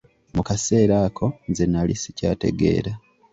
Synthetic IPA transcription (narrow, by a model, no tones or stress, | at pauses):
mukase̞ːɾaːkʰo̞nzenalḭsi̥ca̰ːte̞̰ɡe̞̰ːɾa